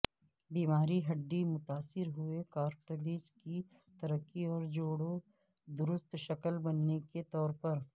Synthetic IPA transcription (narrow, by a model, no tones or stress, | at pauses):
biːmaːɾiɦɐɖːimʊt̪aːsɪɾɦʊekaːɾʈəlid͡ʒki | t̪ɐɾəkːiɔːɾd͡ʒoːɽo | d̪ʊɾʊst̪ʃɐkəlbɐnːeket̪ɔːɾpɐɾ